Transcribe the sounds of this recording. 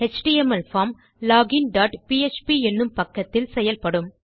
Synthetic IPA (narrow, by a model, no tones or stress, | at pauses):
ɛt͡ʃʈiɛmɐlfaːm | laːɡɪnɖaːʈpiɛt͡ʃpiɛnːɯmpɐkːɐt̪ːɪlsɛjɐlpɐɽɯm